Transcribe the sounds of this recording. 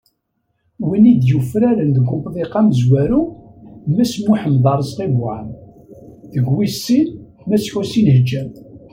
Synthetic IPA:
winid̪jufɾæɾənd̪əɡʷʊbðˤiqɑmzwæɾu | mæsmuħəmðˤɑɾˤzqivwaʕən | ðəɡwisːin | mæsçusinhəd͡ʒːæm

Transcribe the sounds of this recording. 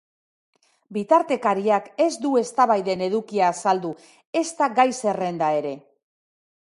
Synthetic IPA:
bit̪aɾt̪e̞kaɾiake̞zd̪ue̞st̪aβajðe̞ne̞ðukiaːsald̪u | e̞st̪aɡajse̞re̞nd̪ae̞ɾe̞

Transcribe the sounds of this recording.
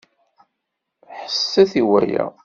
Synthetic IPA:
ħə̥sːæθiwæ̰jæ̰

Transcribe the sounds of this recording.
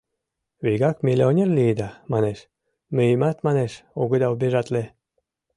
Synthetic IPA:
βijɣɑkmʲilʲeonʲerlid̪ɑmɑneʃ | møjimat̪mɑneʃoɣud̪ɑubʲeʒɑt̪le

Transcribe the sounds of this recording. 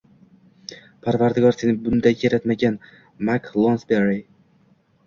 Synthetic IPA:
pʰaɾvaɾd̪ɪɡɒɾsenɪbʊnd̪ajkʰeɾat̪maɡʲan | maklˠonsbeɾi

